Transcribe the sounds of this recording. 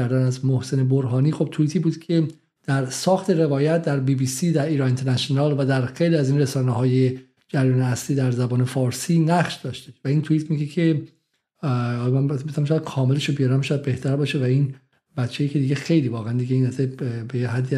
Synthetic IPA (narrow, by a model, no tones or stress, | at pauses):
æɾd̪ænæzmohse̞ne̞boɾɦɒːniːxo̞b̚t̪ʰuit̪ʰiːbuːd̪̥cʰe̞ | d̪̥æɾsɒːxt̪ʰe̞ɾe̞vɒːjæt̪̚ʰd̪æɾbiːbiːsiːd̪æɾʔiːɾɒːent̪ʰeɾnæʃionɒːlvæd̪æɾxejliæzinresɒːneɦɒːje̞ | d͡ʒæɾjɒːneæsliːd̪æɾzæbɒːne̞fɒːɾsiːnæχʃd̪ɒːʃt̪eʃvæint̪ʰuiːt̪ʰmiɡecʰe̞ | mænbæmesæmʃɔːjæd̪̥kʰɒːme̞leʃobijɒɾæmʃɔjæd̪̚be̞ht̪ʰæɾbɒːʃevæin | bætt͡ʃʰːejicʰed̪iːɡexe̞jliːvɒːɣeænd̪iɟeiːnæsebejeɦæd̪ːi